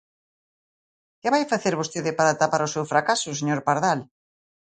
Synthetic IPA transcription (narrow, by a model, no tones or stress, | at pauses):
kɪβajfaθeɾβost̪eðɪpaɾaːt̪apaɾʊsewfɾakasʊseɲoɾpaɾðal